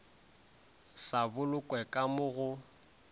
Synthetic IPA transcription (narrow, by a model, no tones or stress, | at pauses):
sabʊlʊkʼwɛkʼamʊɣʊ